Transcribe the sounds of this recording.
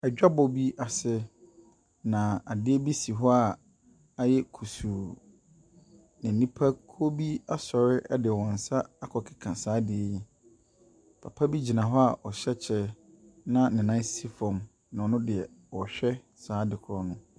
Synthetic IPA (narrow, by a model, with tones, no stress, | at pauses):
ɛ˨a˦bɔ˨bi˦ʔa˨sɪ˦ | nã˨a˨dɪ˦ɛ˦bi˦si˨ɦɔ˦a˦˨ | a˨jɛ˦kʰu˨suː˨ | nɪ̃˨n̩˨nĩ˦pʰa˦kʰo˦bi˦a˦sɔ˨ɾɪ˦ʔɛ˦dɪ˨wɔ̃˨n̩˨sa˦a˨kʰɔ˨kʰɪ˨kʰã˨saː˨˦dɪ˨ɛ˦ji˦ | pʰa˨pʰa˦bi˦d͡ʑi˨nã˨ɦɔ˦a˨ʔɔ˨ɕɛ˦t͡ɕʰɛ˦ | nã˦nɪ̃˨nã˦ssi˦fɔ̃˨m | nã˨ɔ˨nʊ̃˦dɪ˨ɛ˨ɔ˨ɕᶣɛ˦ | saː˨˦dɪ˨kʰʊ˨ɾɔ˨nʊ̃˦